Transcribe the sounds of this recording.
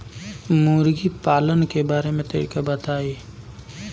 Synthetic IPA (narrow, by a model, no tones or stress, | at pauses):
muːɾɡipaːlənkebaːɾemẽt̪ḛːɾikabət̪aːeː